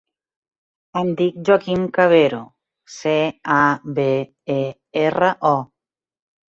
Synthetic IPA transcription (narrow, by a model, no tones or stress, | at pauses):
and̪ik̚d͡ʒwakimkaβeɾo | seabe | e | eraʔɔ